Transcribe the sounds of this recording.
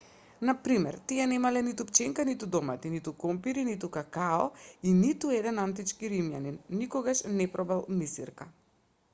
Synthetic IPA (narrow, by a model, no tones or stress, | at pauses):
napɾimɛɾt̪iɛnɛmalɛnit̪upt͡ʃɛŋkanit̪ud̪ɔmat̪init̪ukɔmpiɾinit̪ukakaɔinit̪uɛd̪ɛnant̪̬it͡ʃkiɾimjaninːikɔɡaʃnɛpɾɔbɛlˠmisḭɾka